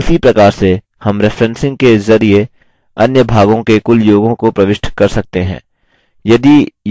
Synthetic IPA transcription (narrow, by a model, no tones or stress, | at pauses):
ʊsipɾɐkaːɾse | hɐmɾɪfʰɾɛ̃nsɪ̃ŋɡ̚kezɐɾie | ɐnjəbʱaːɡõkekʊljoːɡõkopɾɐʋɪʃʈʰkɐɾsɐk̚t̪eɦɛ̰̃ː | jɐd̪ij